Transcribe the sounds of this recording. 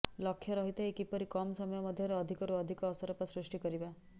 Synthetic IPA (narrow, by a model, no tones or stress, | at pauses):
lɔkʰjɔɾɔɦit̪eekipɔɾikɔmsɔmɔjɔmɔd̪ʱjɔɾeɔd̪ʱikɔɾuɔd̪ʱikɔːsɔɾɔpɔsɾiʂʈikɔɾiba